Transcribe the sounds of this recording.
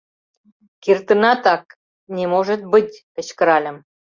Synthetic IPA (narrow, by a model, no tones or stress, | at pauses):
kirt̪ə̆nɑt̪ɑk | nʲemoʒə̆t̪̚bɨtʲpə̆t͡ɕkə̆ɾɑlʲə̆m